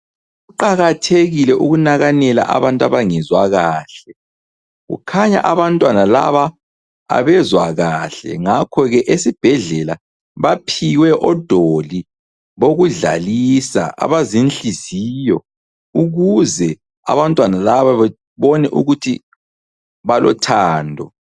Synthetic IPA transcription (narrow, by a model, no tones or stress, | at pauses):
ɣuǃaɣatʰeɣilɛʔuɣunaɣanɛla̰ʔa̰βantʼaβaŋɛzwaɣaːɬɛ | ɣṵkʰaɲa̰ʔaβantʼwanala̰βa | a̰βɛzwaɣaɬɛ̰ŋakʰɔɣɛʔesib̥ʱɛɮɛla | βapʰiwɛʔɔd̥ʱoli | βoɣuɮa̰lisa̰ʔa̰βazinɬizijɔ | uɣuzɛ | a̰βantʼwanalaβaβɛ | βɔnɛʔuɣutʰḭ | βalɔ̰tʰaːndʱɔ